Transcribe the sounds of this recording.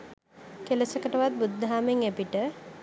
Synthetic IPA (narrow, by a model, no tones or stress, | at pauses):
keləsəkəʈəʋat̪̚bud̪ːɦaːmeŋepiʈə